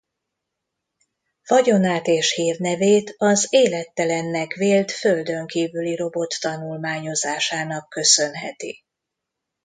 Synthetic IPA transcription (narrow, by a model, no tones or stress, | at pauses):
fɒɟo̞naːt̪eːʃhiːrnɛveːt̪ɒzeːlɛt̪ːɛlɛnːɛkveːlt̪føld̪ø̞ŋkiːvyliɾo̞bo̞t̪ːɒnulmaːɲo̞zaːʃaːn̪ɒkːø̞sø̞nɦɛt̪ḭ